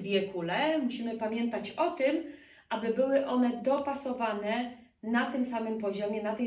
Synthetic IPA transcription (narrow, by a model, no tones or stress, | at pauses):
vʲjɛkʰulɛmuɕimɘpamʲjɛnt̪at͡ɕɔt̪ɘm | ʔabɘbɘwɘʔɔnɛd̪ɔpasɔvanɛ | nat̪ɘmsamɘmpɔʑɔmʲjɛnat̪ɛ